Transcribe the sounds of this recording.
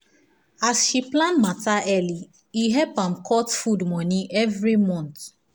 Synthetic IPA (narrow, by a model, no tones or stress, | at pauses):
asʃiplãnmataʔɛli | iɦɛpãmkʰɔtfudmɔ̃nĩʔɛvɾimɔ̃nt̪